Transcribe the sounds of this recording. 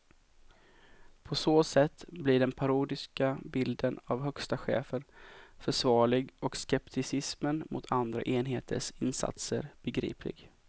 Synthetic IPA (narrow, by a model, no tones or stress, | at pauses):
pʰɔsoːsɛt̪ːblɪɖɛnpʰaɾuːd̪ɪskabɪld̪ənavɦœkst̪aɧḛːfənfœʂvɑːɭɪɡɔkskɛpt̪ʰɪsɪsmənmʔʊ̰t̪ʰand̪ɾa̰ʔeːnɦeːt̪ʰə̰ʂɪnsa̰t̪səɾb̥ɛɡɾḭːpʰlɪ̰ɡ